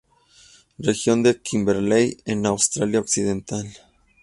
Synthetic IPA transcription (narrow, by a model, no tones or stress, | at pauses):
rexjo̞nd̪e̞kimbeɾlejenawst̪ɾaljaoksiðent̪al